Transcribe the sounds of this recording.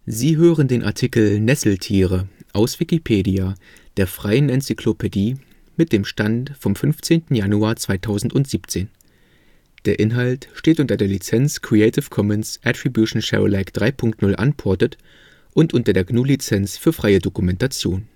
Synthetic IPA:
ziːɦøːʁəndeːnʔa̰ɐtʰikl̩nɛsl̩tʰiːʁəʔaʊsv̥ikipʰeːdia | d̥eːɐfʁ̥aɪənɛnt͡sikʰlopʰediː | mɪt̚d̥eːmʃtantfɔmfʏnft͡seːntn̩januaːɐt͡sv̥aɪtʰaʊzn̩tʊntz̥iːpt͡seːn | d̥eːɐʔɪnɦaltʃteːtʔʊntɐdeːɐlit͡sɛnskʁ̥iɛɪtʰɪfkʰɔmɛnsʔɛtʁ̥ibjuʃn̩ʃɛ̰ʁo̰laɪkd̥ʁaɪpʰʊŋk̚tnʊlʔa̰npʰɔɐtət | ʔʊntʔʊntɐdeːɐɡnuːlit͡sɛnsfyːɐfʁ̥aɪədokumɛntat͡sjoːn

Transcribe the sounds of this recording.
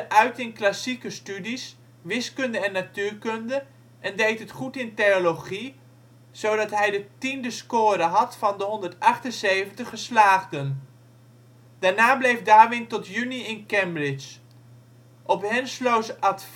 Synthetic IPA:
ʔœɥtɪnklasikəstydis | ʋɪskɵndəɛnːatyːɹkɵndə | ʔɛndejtɦətχutɪntejoloχi | z̥owdɑtɦɛjdətindəskoːɾəɦɑtfɑndəɦɔndəɹtɑχtənsejvəntəχəslaːχdən | d̥aːɹnaːblejfdaːʋɪntɔtjyniɪnkɛmbrɪt͡ʃ | ʔɔpɦɛnslowsɑtf

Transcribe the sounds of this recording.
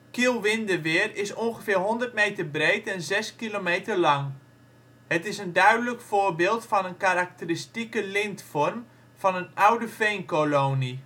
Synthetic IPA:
kilˠʋɪndəʋɪːrɪsonxəfɪːrɦondərt̚mejtərbreːtʰɛnzɛskilomeːtərlɑŋ | hətɪsəndœɥdələkfoːrbɪːlˠtfɔnənkaɾak̚təristikəlɪntfɔrm | fɔnənawdəfeːnkoloːni

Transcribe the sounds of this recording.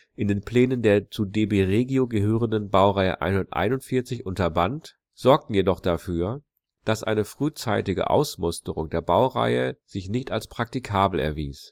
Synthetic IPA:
ʔɪndeːnpl̥ɛːnəndeːɐt͡sudeːbeːʁeːɡioɡəɦøːʁəndənbaʊʁaɪə̰ʔa̰ɪnhʊndɐtʔa̰ɪnʊntfɪɐt͡sɪçʔʊntɐbant | z̥ɔɐk̚tn̩jedɔχd̥afyːɐ | d̥asʔa̰ɪnəfʁ̥yːt͡sa̰ɪtɪɡə̰ʔa̰ʊsmʊstəʁʊŋdeːɐbaʊʁa̰ɪəz̥ɪçnɪçtalspʁ̥ak̚tikʰaːbl̩ɛ̰ɐvḭːs

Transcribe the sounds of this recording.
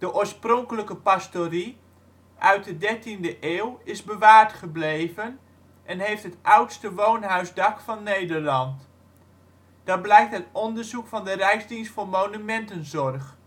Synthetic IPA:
d̥əʔoːɹsprɔŋkələkəpastori | ʔœɥt̚dədɛɹtindəʔeːwɪzbəʋaːɹtχəblejvən | ʔɛnɦejftɦətʔʌwtstəʋownɦœɥzdɑkfɑnːejdərlɑnt | d̥ɑt̚blɛjk̚tɦətɔndəɹzukfɑndərɛjzdinstfoːrmownymɛntənzɔrχ

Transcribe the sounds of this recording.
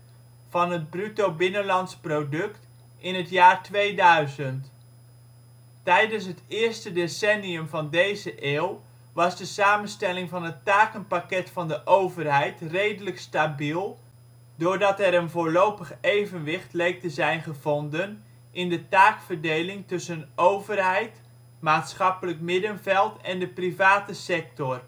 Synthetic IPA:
v̥ɑnɦəd̚brytowbɪnənlɑntsprodɵkt | ʔɪnɦətjaːrtʋejdœɥzənt | tɛjdəns̬ɦətɪːɹstədesɛniəmvɑndejzəʔeːw | ʋɑzdəsaːmənstɛlɪŋvɑnɦətaːkənpakɛtfɑndəʔowvərɦɛjtrejdələkstabilˠ | dʊːɹdɑtɛɾənvoːlowpəχejvənʋɪχtlejk̚təzɛjnχəvɔndən | ʔɪndətaːkfərdejlɪŋtɵsənʔowvərɦɛjt | maːtsχɑpələkmɪdənvɛlˠtɛndəprivaːtəsɛk̚tɔr

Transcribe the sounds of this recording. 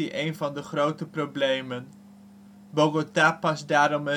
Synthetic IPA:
iʔejnvɑndəχrowtəprowblejmən | boɡotapɑsdaːɾɔmə

